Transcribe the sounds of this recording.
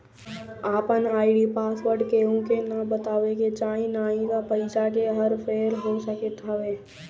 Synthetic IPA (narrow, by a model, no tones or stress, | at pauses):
aːpənaːɪɖipaːsʋəɾɖkeõkenabət̪aːʋeket͡ʃaːĩnaːĩkapəɪsakeɦəɾpʰeːɾɦosəkət̪ɦɐʋeː